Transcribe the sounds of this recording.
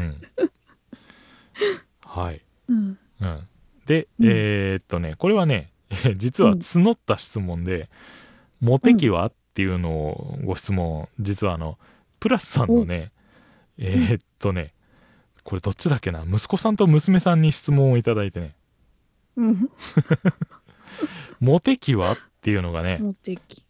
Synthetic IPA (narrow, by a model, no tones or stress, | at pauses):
ɯ̟̃ | haḭ | ɯ̟̃ɴ | d̪e̞et̪ːo̞ne̞ko̞ɾe̞βane̞ | ed͡ʑit͡sɨβat͡sɨno̞t̪ːaɕi̥t͡sɨmõ̞nd̪e̞ | mo̞t̪e̞kʲiβ̞a̰t̪ːe̞jɯ̟no̞̰ːɡo̞ɕi̥t͡sɨmõ̞d͡ʑit͡sɨβaːno̞ | pɯ̟ɾasɨ̥sãnːo̞ne̞ | et̪ʰːo̞ne̞ | ko̞ɾe̞d̪o̞t͡ɕːid̪ake̞na̰mɯ̟sɨ̥ko̞sãnt̪o̞mɯ̟sɨme̞sãɲ̟ːiɕi̥t͡sɨmõɰ̃oit̪ad̪ait̪e̞ne̞ | mo̞t̪e̞kʲiβat̪ːe̞jɯ̟no̞ɡane̞